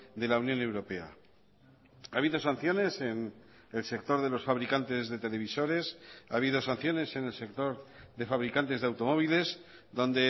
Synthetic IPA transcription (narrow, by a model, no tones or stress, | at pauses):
d̪e̞launjõ̞ne̞wɾo̞pe̞a̰ | aβ̞iðo̞sanθjo̞ne̞se̞n | else̞k̚t̪o̞ɾðe̞lo̞sfaβ̞ɾikant̪e̞zðe̞t̪e̞le̞β̞iso̞ɾe̞sa̰β̞iðo̞san̟θjo̞ne̞se̞ne̞lse̞k̚t̪o̞ɾðe̞faβ̞ɾikant̪e̞zðe̞awt̪o̞mo̞β̞ile̞z | ðo̞nd̪e̞